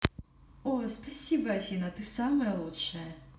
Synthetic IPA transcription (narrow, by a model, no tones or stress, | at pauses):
ospasʲibɐɐfʲinɐt̪ɨsamɐjɛlˠutʂɐjɐ